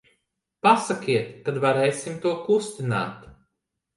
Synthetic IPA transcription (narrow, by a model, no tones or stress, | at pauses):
pasakʲiɛt̪kad̪vaɾɛjsimt̪uɔkust̪ina̰ːt̪